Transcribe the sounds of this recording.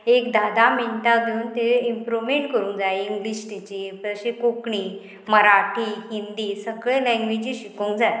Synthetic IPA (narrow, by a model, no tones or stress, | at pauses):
ekd̪ad̪amiɳt̪aɡʱeuːnt̪eimpɾumẽɳʈkəɾũːŋkd͡zajiŋɡliɕʈ̪et͡ɕepɾəɕekokɳiː | məɾaʈiːɦind̪iːsəɡɭẽlɛ̃ŋɡʋid͡ʑiɕikũːŋkd͡zaj